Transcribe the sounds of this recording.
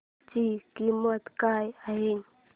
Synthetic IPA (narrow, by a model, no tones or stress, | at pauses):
t͡ɕikimət̪kajaɦe